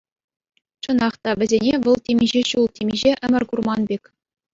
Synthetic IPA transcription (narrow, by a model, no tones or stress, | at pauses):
t͡ɕɤ̆nɑχt̪ɑʋʲɘ̆zʲenʲeʋɤ̆lˠtʲemʲiʑeɕulˠtʲemʲiʑeʔɘ̆mʲɘ̆rʲkurmɑnbʲekʲ